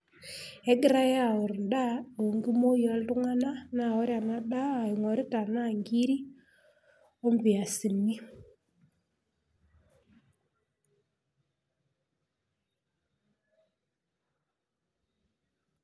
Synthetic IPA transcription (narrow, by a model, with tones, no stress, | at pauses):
ɛ˦ɡɪ˦ɾa˦ja˨ʊ˨ɾn˨da˦ɗo˨ŋɡi˦mo˦jɔ˨˦ltʊ˦ŋa˦na˦na˨ɔ˦ɾja˨na˦ɗa˦a˨ɪ˨ŋɔ˨ɾɪ˦ta˨na˦˨ŋɡi˦ɾi˦ | o˦mbɪ˨a˨si˨nːi˦